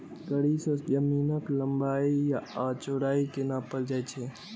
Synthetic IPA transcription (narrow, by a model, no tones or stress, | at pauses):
ɡəɽisə̃d͡ʒəmiːnəkləmbaːijaat͡ʃoɽaːikenapəld͡ʒaːt͡ʃʰe